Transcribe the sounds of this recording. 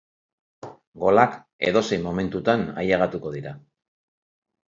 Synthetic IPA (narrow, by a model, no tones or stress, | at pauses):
ɡo̞lak | e̞̰ðo̞sejmo̞me̞nt̪ut̪ana̰jaɣat̪uko̞ðiɾa